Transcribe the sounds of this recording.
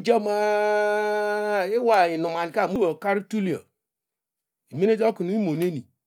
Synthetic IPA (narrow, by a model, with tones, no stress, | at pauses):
d͡ʒɔ˦ma˦ | e˦wa˨i˨nu˨ma˨ni˨ka˦˨mu˦wo˨ka˦ɾi˦tu˦li˨a̰˨ | i˨me˦ne˦d͡ʒɔ˦ku˨nu˨˦i˦mo˨ne˦ni˨